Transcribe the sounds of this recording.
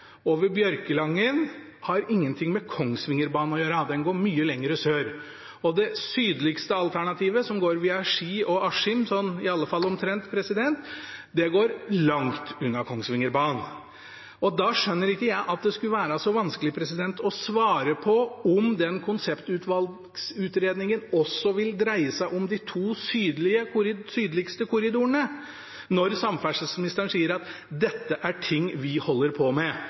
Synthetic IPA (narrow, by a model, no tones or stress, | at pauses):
oːʋəɾbjœɾkəlɑŋːən | hɑɾɪŋːənt̪ʰɪŋːmɛkʰɔŋsʋɪŋːəɾbɑːnɔjøːɾɑd̪ɛnɡoːɾmyːəlɛŋːəɾəsøːɾ | ɔd̪ɛsyːd̪lɪkst̪əɑlt̪ʰæɳɑt̪ʰiːʋəsɔmɡoːɾʋiːɑʂiːɔʔɑʂɪmsɔnɪɑlːəfɑlːɔmt̪ʰɾɛnt̪pʰɾɛsɪd̪ɛnt̪d̪ɛɡoːɾlɑŋt̪ʉnːɑkʰɔŋsʋɪŋːəɾbɑːn | ʔɔd̪ɑʂœnːəɾɪkːəjæɪʔɑt̪̚d̪ɛskʉəʋæːɾɑsɔʋɑnskəlɪpʰɾɛsɪd̪ɛnt̪ʰɔsʋɑːɾəpʰɔɔmd̪ɛnkʰʊnsɛpt̪ʉːt̪ʰʋɑl | sʉːt̪ɾeːd̪nɪŋənɔsːɔʋɪld̪ɾæɪəsæɪʔɔmd̪ɪt̪ʰuːsyːd̪əlɪəɾsyːd̪əlɪkst̪əkʰʊɾɪd̪uːəɳə | nɔɾsɑmfæʂəsmnɪst̪əɾəɳ̩siːəɾɑt̪ | d̪ɛt̪ːəʔæʈʰɪŋːʋɪhɔlːəɾpʰɔmɛ